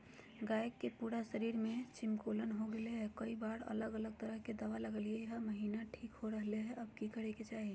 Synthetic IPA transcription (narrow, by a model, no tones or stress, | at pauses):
ɡajkːepuɾasəɾiɾmet͡ʃimkolənɦoɡeleɦɛkəibaɾə̰ləɡələɡ̚t̪əɾəɦked̪əʋaləɡəlieɦəməɦinaʈʰikɦoɾəɦleɦɛʔəbkikəɾɛket͡ʃaɦi